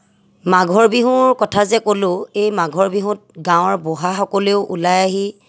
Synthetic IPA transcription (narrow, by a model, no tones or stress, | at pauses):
maɡʱɔɹbiɦʊɹkɔtʰazɛkolʊ̃ejmaɡʱɔɹbiɦũt̚ɡãw̃ɔɹbɔɦaxɔkɔleʊʔulajaɦi